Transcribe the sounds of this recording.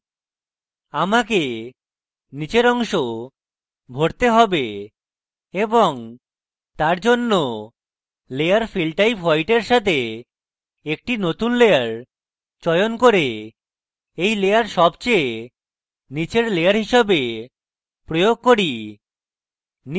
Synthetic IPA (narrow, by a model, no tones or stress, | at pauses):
amake | nit͡ɕeɾɔŋʃo | bʱoɽt̪eɦɔbe | eboŋ | t̪aɾd͡ʑonːo | lejaɾfilʈajpajʈeɾʃat̪ʰe | ek̚ʈinot̪unlejaɾ | t͡ɕɔjonkoɾe | ejlejaɾʃɔbt͡ɕe | nit͡ɕeɾlejaɾɦiʃabe | pɾojoɡ̚koɾi | n